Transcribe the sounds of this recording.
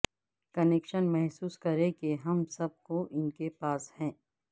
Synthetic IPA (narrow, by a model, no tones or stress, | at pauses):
kɐneːkʃənmɛɦsuːskɐɾẽkeɦɐmsɐb̚koʔɪnkepaːshɛ̃ː